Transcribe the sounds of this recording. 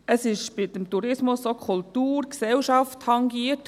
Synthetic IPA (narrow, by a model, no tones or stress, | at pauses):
əsɪʃbɪd̪əmtuɾɪsmʊsːokʰʊltuːɾksɛlʃɑfthɑŋɡiət